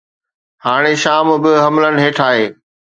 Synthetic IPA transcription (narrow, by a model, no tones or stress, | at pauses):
haːɽ̃eʃaːmbɪɦɐmlən̆ɦeːʈʰaːɦeː